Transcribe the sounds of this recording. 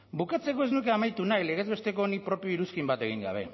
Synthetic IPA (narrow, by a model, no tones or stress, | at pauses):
bukat͡se̞ko̞e̞znuke̞amajt̪unajle̞ɣe̞zβe̞st̪e̞ko̞ːnipɾo̞pio̞iɾuskimbat̪e̞ɣ̞iŋɡa̰β̞e̞